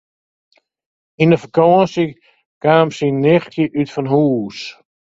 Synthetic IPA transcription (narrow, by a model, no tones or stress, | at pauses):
inəfəkɔənsi | kaːmsinɪxtʰjəʔytfɔnɦuːs